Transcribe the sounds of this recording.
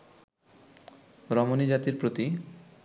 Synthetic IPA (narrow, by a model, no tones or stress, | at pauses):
ɾɔmonid͡ʑat̪iɾpɾot̪i